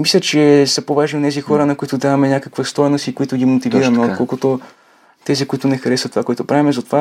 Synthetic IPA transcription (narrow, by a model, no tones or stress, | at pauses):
mislʲət͡ʃɛsɐpovaʒnionɛzixɔɾənɐkoit̪ʊd̪avɐmɛnʲakəkvəst̪ɔjɛnost̪ikoit̪ʊɡʲimot̪iviɾɐmɛot̪̚kolˠkʊt̪o | t̪ɛzikʊit̪ʊnɛxɐɾɛsət̪ovakoɛt̪ʊpɾavimɛzɐt̪ova